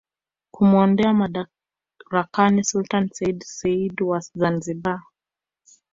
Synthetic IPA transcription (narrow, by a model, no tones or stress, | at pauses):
kumuɔndɛamaa | ɾakanisultansɛidsɛidwazanziba